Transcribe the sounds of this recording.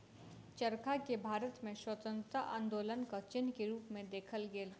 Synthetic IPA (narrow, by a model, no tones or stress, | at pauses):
t͡ʃəɾkʰakebʱaːɾət̪mẽswət̪ə̃nt̪ɾəʔã̰ːnd̪oːlənkat͡ʃɪnkeɾuːpmẽd̪eːkʰəlɡeːl